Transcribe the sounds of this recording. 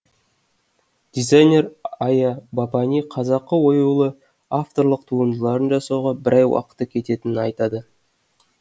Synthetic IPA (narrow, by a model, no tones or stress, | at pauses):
d̪̥ʲizajnʲe̞ɾɑjɑbɑpɑniqʰɑzɑqːəwo̞julˠə | aft̪o̞ɾlˠəqt̪ʰuənd̪əlˠɑɾənʒɑsɑwʁɑbɪɾʔɑjwɑ̰qə̥t̪ːəkʲʰe̞t̪e̞t̪ɪnɪnɑjt̪ɑd̪ə